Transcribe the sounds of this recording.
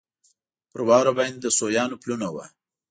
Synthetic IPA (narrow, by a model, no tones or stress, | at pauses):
pəɾwɑwɾabajnd̪əsojɑːnoplunawa̰